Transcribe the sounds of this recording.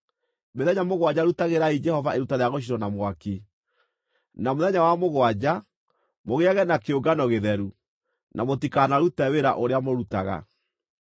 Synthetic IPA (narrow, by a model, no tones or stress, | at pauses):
meðɛɲamoɣwad͡ʑaɾutaɣeɾaid͡ʒɛhɔvaʔeɾutaɾeaɣoʃ̬iɾɔnamwaki | namoðɛɲawamoɣwad͡ʑa | moɣeaɣɛnakeoɡanɔɣeðɛɾu | nʔamotikanaɾutɛweɾa̰ʔoɾeamoɾutaɣa̰